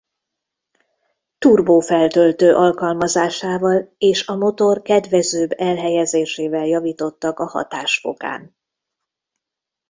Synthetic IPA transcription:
t̪urboːfɛlt̪ølt̪øːʔɒlkɒlmɒzaːʃaːvɒleːʃɒmo̞t̪o̞rkɛd̪vɛzøːbɛlɦɛjɛzeːʃeːvɛljɒviːt̪o̞t̪ːɒkɒhɒ̰t̪aːʃfo̞̰ka̰ːn

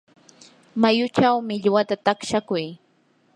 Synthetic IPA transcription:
majʊt͡ʃawmɪʎwat̪at̪akʃakʊj

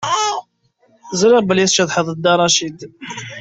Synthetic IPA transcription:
zɾɪʁbəliθt͡ʃːæðħəðˤəd̪ːɑɾˤɑʃid̪

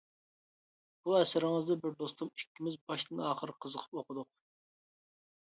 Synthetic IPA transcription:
b̥uɛsɪɾɪŋɨzd̪ɛbɪɾd̪ost̪umikʲːimɪzbɑʃt̪ɨnɑːχəɾəqʰəzəqʰə̥poqʰʊd̪ʊq

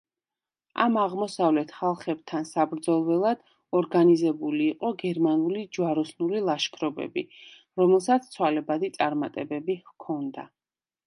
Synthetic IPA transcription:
a̰maʁmɔsavlɛt̪ʰχalˠχɛb̥̚t̪ʰansabɾd̪zɔlˠwɛlˠad̪̥ | ɔɾɡanizɛbuliːqʼɔɡɛɾmanulid͡ʒwaɾɔsnulilˠaʃkʰɾɔbɛ̰bi | ɾɔmɛlˠsat̪st̪sʰwalɛbad̪it̪sʼaɾmat̪ʼɛbɛbikʰɔnd̪a̰

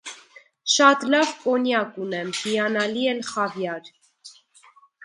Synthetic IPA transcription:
ʃɑt̪lɑvkɔnjɑkunɛmhiɑnɑliɛnχɑvjɑɾ

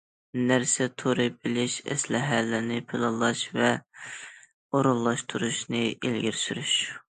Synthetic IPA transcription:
næɾsɛt̪ʰoɾɨbɪlɪʃɛ̰slɪɦælɪɾnɪpʰɪlˠɑlˠɑʃvɛ | oɾulˠːɑʃt̪ʰuɾuʃnɨelɡʲɪɾsyɾyʃ

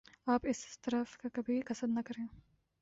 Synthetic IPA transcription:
apɪsst̪ɾɐfkɐkɐbikɐsɐd̪nɐkɐɾe

